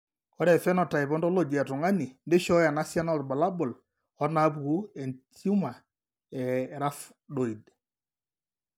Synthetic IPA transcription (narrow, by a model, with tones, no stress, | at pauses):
kɔ˦ɾɛ˨fɛ˦nɔ˨ta˨i˨βɔ˦ndɔ˦lo˨d͡ʒa˨tʊ˨ŋa˦ni˨nde˦ʃɔ˦ja˨na˦sja˦nɔ˦˨ɾba˨la˦bɔ˨l | ɔ˦na˨˦pɣu˦e˨ntʰu˦ma˨ | ɛ˨ɾa˦f | do˨i˨d